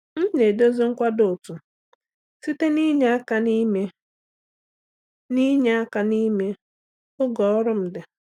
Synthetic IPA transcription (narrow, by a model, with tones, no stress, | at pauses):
n̩˦ne˨do˦zi˦ŋ̩˦kʷa˦dʊ˨tu˨ | si˦te˦ni˦ɲe˦a˦ka˨ni˦me˦ | ni˦ɲe˦a˦ka˨ni˦me˦ | ʊ˦ɡɔ˨˦ɔ˦ɾʊ˦m̩˨dɪ˨